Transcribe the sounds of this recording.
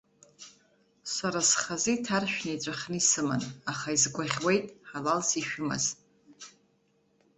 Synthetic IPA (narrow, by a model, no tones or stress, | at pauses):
saɾasχaziitʰarʃᶣnat͡ʃʷʼaχʲnɨisɨma̰naχaizɡʷʼaʁʲwejtʼħalalsiʃᶣʊma̰z